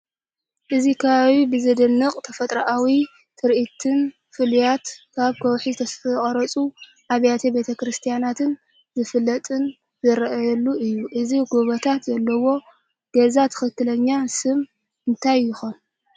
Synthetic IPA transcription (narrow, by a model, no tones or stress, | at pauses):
ʔɨzikʰaβawibɨzɨd̪ɨnːɨqʼt̪ʰɐfɐt̪ʼɾɐʔawi | t̪ʰɨɾʔit̪ʰɨn | fɨljat̪kʰaβkʰɐwħizɨt̪ʰɐsχʼɐɾɐt͡sʼu | ʔaβjat̪ʰebe̞t̪ʰɐkɾɨst̪ʰijanat̪ʰɨn | zɨfɨlːɐt̪ʼɨn | zɨɾʔjɐlːuʔɨjːuʔɨziɡoβɐt̪ʰat̪zɐlːɐwo̞ | ɡ̥ɐzat̪ʰɨ̥xɨkːɨlɐɲːasɨm | ɨnt̪ʰajːɪxon